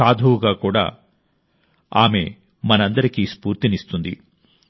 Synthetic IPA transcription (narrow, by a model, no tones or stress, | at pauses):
aːd̪ʱuːuɡaːkuːɽa̰ː | aːme̞̰ | mɐnɐnd̪ɐɾikispuːɾt̪inist̪und̪ḭ